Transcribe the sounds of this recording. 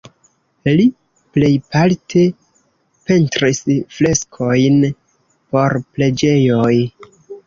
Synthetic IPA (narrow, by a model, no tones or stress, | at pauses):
li | ple̞jpaltʰe̞ | pe̞ntɾisfle̞skʰo̞jn | po̞ɾple̞d͡ʒe̞jo̞j